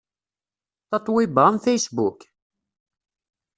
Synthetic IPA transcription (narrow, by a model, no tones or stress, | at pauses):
θɑt̪ˤwɪbənfejsbuk